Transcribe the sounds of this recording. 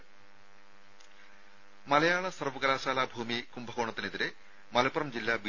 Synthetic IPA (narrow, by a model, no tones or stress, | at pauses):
mɐlɐjaːɭɐsɐrʋɐɡɐlaːɕaːlaːbʱuːmikumbʱɐɣoːɳɐt̪ːine̞ðiɾe | mɐlɐpːɐrɐmd͡ʑilːaːbi